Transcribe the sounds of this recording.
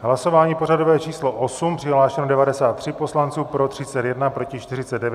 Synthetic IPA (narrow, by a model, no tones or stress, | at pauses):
ɦlaso̞vaːɲiːpo̞rado̞vɛːt͡ʃiːslo̞ʔosumpr̥ɪɦlaːʃɛnodɛvadɛsaːt̪ːr̥ɪpo̞slant͡suːpɾo̞t̪r̝̥ɪt͡sɛt̪jɛdnapɾo̞cɪt͡ʃt̪ɪrɪt͡sɛddɛvj